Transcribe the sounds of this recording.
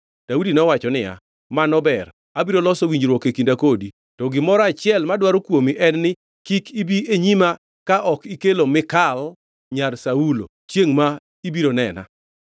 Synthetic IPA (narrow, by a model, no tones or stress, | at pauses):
d̥audinɔwat͡ʃɔnɪa̰ | manɔbɛr | abiɾolɔsɔwiɲd͡ʒɾwɔkekindakodi | tɔɡɪmɔɾat͡ʃɪɛlmadwaɾokwomiʔɛnːɪ | kikibieɲima | kaʔɔkikelomɪkal | ɲarsaulo̰ | t͡ʃjeŋma | ibiɾonɛna̰